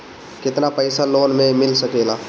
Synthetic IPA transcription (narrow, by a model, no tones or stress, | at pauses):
kɪt̪napɐɪsaloːnmẽmɪlsɐkeːlaː